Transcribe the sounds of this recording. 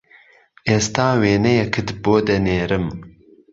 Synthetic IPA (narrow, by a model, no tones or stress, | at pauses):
ʔeːst̪aːweːnɛjɛkʰɨd̪boːd̪ɛneːɾɨm